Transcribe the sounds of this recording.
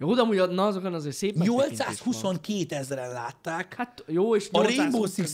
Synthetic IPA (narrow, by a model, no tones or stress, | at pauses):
joːd̪ɒmuːɟnɒɒzokɒnɒzeːrseːpɛɲolt̪saːshuso̞ŋkeːt̪ɛzrɛnla̰ːt̪ːaːkhat̪joːeːʃoɾemboːsi